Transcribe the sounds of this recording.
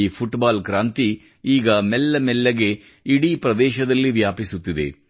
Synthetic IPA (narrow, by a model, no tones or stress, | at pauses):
ipʰuʈbaːlkɾaːnt̪i | iːɡɐmelːɐmɛlːɐɡe̞ | iɽipɾɐd̪ɛːʃɐd̪ɐlːiʋjaːpisut̪ːid̪e̞̰